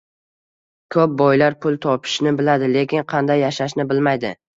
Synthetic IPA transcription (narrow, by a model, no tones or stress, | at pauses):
kʰɵp̚bɒjlaɾpʰʊlˠt̪ʰɒpʰɪ̥ʃnɪbɪlad̪ɪle̞kʲɪnqʰɑnd̪ajːaʃaʃ̬nɪbɪlmajd̪ɪ̰